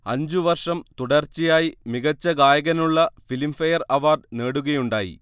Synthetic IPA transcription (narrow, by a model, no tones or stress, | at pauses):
ɐɲd͡ʑuʋɐrʂɐmt̪uɽɐrt͡ɕːijaːjimiɣɐt͡ɕːɐɡaːjɐɣɐnuɭːɐfilimfɐjɐrɐʋaːrɖne̞ːɽuɣɐjuɳɖaːjḭ